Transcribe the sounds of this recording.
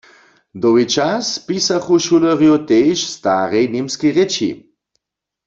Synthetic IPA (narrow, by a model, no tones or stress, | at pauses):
d̪ɔwit͡ʃaspisaχuʃuləʁjot̪eːʃst̪aʁɛjnimskiʁet͡ʃḭ